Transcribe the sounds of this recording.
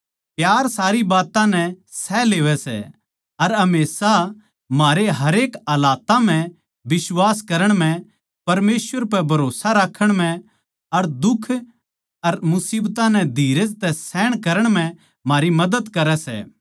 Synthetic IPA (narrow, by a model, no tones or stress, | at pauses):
pjaːɾsaːɾibaːt̪ãnɛsɛleːʋɛsɛ̰ | ɐɾɦɐmeːsa | maːɾeɦɐɾeːkɐːlaːt̪ãm̤ɛ̃ | bɪswaːskɐɾəɽ̃m̤ɛ̃ | pɐɾmeːsʋəɾpɛbʱɐɾoːsaɾaːkʰːəɽ̃mɛ̃ | ɐɾd̪ʊkʰː | ɐɾmʊsiːbt̪ãnɛd̪ʱiːɾəd͡ʒt̪ɛsɛːɽ̃kɐɾəɽ̃m̤ɛ̃ | maːɾimɐd̪əd̪kɐɾɛsɛ̰